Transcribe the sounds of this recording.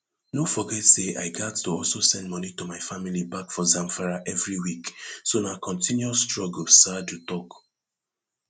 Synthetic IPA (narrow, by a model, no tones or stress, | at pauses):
nofɔɡɛtseʔa̰ɪɡattuɔlsosɛ̃ndmɔnitumaɪfamilibakfɔzãmfaɹaʔɛvɹiwiksonakɔ̃ntʰĩnjuasstɹɔɡl̩stadjutɔk